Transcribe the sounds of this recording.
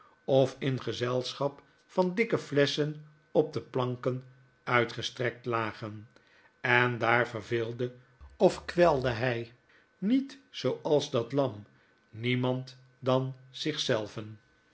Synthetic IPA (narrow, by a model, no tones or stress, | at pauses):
ɔfɪnχəzɛlˠsχɑp | fɑndɪkəflɛsən | ɔp̚dəplɑŋkən | œɥtχəstrɛk̚tlaːχən | ɛndaːɹvəɹvɪːlˠdə | ɔfkʋɛlˠdəɦɛj | nitsowɑlˠzdɑtlɑm | nimɑnt | dɑnz̥ɪχsɛlˠvən